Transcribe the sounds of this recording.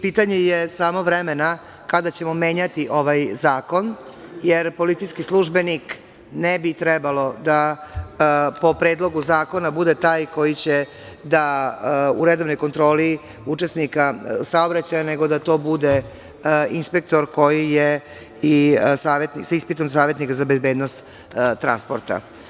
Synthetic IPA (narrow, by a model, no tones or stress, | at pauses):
piːt̪aɲejesaːmo̞ʋɾemena | kad̪at͡ɕe̞mo̞me̞ːɲat̪iʔo̞ʋajzaːko̞n | jeɾpo̞lit̪sijskislˠuʒbe̞nik | nebit̪ɾɛbalo̞d̪a | po̞pɾe̞ːd̪lˠo̞ɡuzaːko̞nabud̪et̪aːjko̞jit͡ɕe | d̪a | ṵɾed̪o̞ʋnojkont̪ɾo̞ːli | ut͡ʃe̞snikasao̞bɾat͡ɕajane̞ɡo̞d̪at̪o̞ːbud̪e | inspe̞k̚t̪o̞ɾko̞jije | isaːʋjet̪nisaispit̪o̞msaːʋʲje̞t̪nikazabezbeːd̪nost̪ | t̪ːɾanspoɾt̪a̰